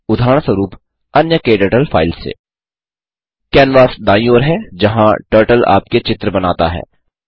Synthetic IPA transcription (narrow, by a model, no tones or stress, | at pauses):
ʊd̪ʱaːɽ̃səɾuːp | ɐnjəkeːɖəʈəlfʰaːɪlsḛː | kɛːnʋaːsd̪aːĩoːɾɦɛːd͡ʒɐɦãʈəːɾʈəla̰ːp̚ket͡ʃɪt̪ɾəbɐnaːt̪a̰ɦɛ̰ː